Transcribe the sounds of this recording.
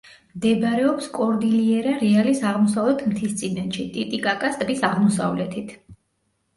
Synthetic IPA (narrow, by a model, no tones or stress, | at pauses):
md̪ɛbɾɛɔpskʼɔɾd̪iliɛɾaɾɛalisaʁmɔsavlɛt̪ʰmt̪ʰist̪sʼinɛt̪ʃit̪ʼit̪ʼikʼakʼast̪ʼbisaʁmɔsa̰vlɛt̪ʰit̪ʰ